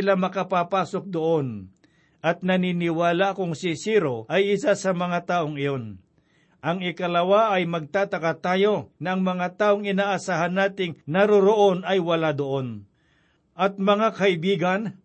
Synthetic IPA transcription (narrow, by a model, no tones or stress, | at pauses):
ɪlamɐkɐpapaːsok̚d̪oʔo̞n | ʔɐt̪̚nɐninɪwaːlakoŋsɪsiɾoʔɐjʔɪsasɐmɐŋat̪aːʔoŋɪjo̞n | ʔɐŋɪkɐlɐwaʔɐjmɐɡ̚t̪aːt̪ɐkat̪aːjonɐʔɐŋmɐŋat̪aːʔoŋɪnaːʔasaːhanːaːt̪ɪŋnɐɾoɾoʔonɐjwɐlad̪oʔo̞n | ʔɐt̪̚mɐŋakɐʔɪbiːɡɐn